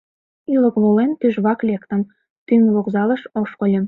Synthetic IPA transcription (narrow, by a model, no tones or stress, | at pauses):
ilə̆kβolenp̪yʒβɑklʲekt̪ə̆m | t̪yŋβokzɑlə̆ʃoʃkolʲĕm